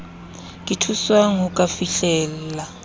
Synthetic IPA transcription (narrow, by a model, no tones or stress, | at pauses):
kʼitʰuswaŋ̩ukʼafiɬɛːl̩la